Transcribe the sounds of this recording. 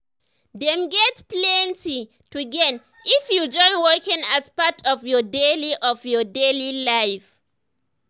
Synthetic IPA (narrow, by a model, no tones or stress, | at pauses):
dɛ̃mɡɛtplɛ̃nti | tuɡɛn | ifjud͡ʒɔ̃ɪ̃nwɔkĩŋaspatʰɔvjɔdeliʔɔvjɔdelilaɪf